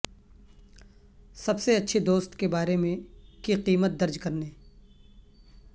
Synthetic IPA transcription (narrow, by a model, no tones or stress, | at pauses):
sɐbseɐtːʃʰed̪oːst̪kebaːɾemẽkiqiːmət̪̚d̪ɐɾd͡ʒkɐɾneː